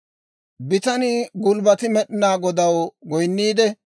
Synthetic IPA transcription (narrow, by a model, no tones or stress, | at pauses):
bɪt̪ɐnɪɡʊlbɐt̪ɪmɛɗɪnaːɡɔd̪ɐwɡɔjnːiːd̪ɛ